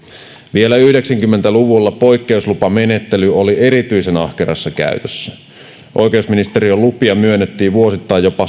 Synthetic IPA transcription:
ʋie̞læyhdeksæŋkymːent̪æluʋulːɑpo̞jkːe̞uslupɑme̞net̪ːelyo̞lie̞ɾit̪yisenɑ̰hkerɑ̰sːɑkæ̰yt̪øsːæ | ʔojke̞usminist̪e̞ɾiolːupiɑmyønːet̪ːiːʋʋuo̞sit̪ːɑijjopɑ

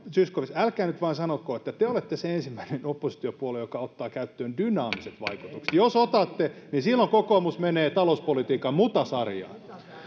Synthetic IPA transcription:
syskoʋisælkæːnyt̪ʋɑinsɑnokoːet̪ːæt̪eolet̪ːeseensimːæinenopːˑosi̥t̪iopuolejjokɑot̪ːɑːkæyt̪ːøːndynɑːmiset̪ʋɑ̰iku̥t̪ukse̥t̪josot̪ɑt̪ːenisilːoŋkokoːˑmusmeneːt̪ɑlouspolit̪iːkɑmmut̪ɑsɑrjɑ̰ːn

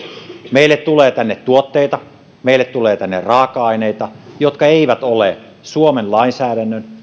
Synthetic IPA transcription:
meilːet̪t̪uleːt̪ænːet̪t̪uot̪ːeit̪ɑ | meilːet̪tuleːt̪ænːḛrrɑːkːˑɑɑineit̪ɑjot̪kɑeiʋæt̪ole | suomenlɑinsæːɾænːøn

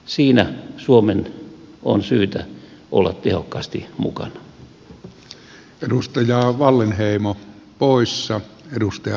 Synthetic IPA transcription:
siːnæsuomeno̰nsyːt̪æʔo̰lːɑt̪t̪ehokːɑːst̪imṵkɑnɑ̥ | edust̪ɑjɑːʋɑlːenheˑimo | poˑisːɑedust̪ɑj

